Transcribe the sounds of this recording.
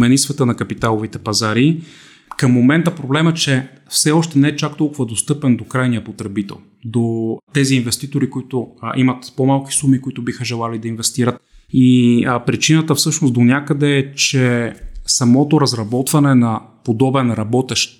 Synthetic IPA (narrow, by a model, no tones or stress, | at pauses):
mɛnisvɛt̪ənɐkɐpit̪alˠovit̪ɛpɐzaɾi | kɐmːomɛnt̪əpɾoblɛmɛt͡ʃɛ | fsɛɔʃt̪ɛnɛɛt͡ʃakt̪ɔlˠkʊvɐd̪ost̪ɤpɛnd̪okɾajnijəpot̪ɾɛbit̪ɛ̰lˠ | d̪ot̪ɛziːnvɛst̪it̪oɾikoit̪ʊʔimɐt̪pomalˠk̟i̥sumikoit̪ʊbixəʒɛlˠalid̪ɐinvɛst̪iɾət̪ | ipɾit͡ʃinət̪əfsɤʃnost̪d̪onʲjakəd̪ɛɛt͡ʃɛsɐmɔt̪oɾɐzɾɐbɔt̪vɐnɛnɐpod̪ɔbɛnɾɐbɔt̪ɛʃ